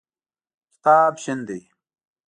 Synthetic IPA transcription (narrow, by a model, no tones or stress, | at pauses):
ki̥t̪aːbɕind̪i